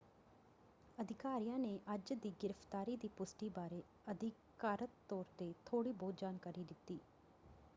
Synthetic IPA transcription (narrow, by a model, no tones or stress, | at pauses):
əd̪ʱɪkaːɾijãːneːʔəd͡ʒd̪iːɡɪɾəft̪aːɾiːd̪iːpʊsʈiːbaːɾeː | əd̪ɪkaːɾət̪ːɔːɾt̪eːt̪ʰoːɽiːboːd̪̚d͡ʒaːnkaːɾiːd̪ɪt̪ːiː